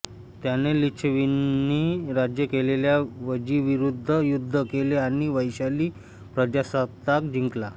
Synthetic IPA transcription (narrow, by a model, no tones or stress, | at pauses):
t̪janelit͡ɕʰʋinːiɾad͡ʑjəkeleljaʋəd͡ʑiʋiɾud̪ʱːəjud̪ʱːəkeleaɽ̃iʋəjɕaliː | pɾəd͡ʑasat̪ak̚d͡ʑiŋkla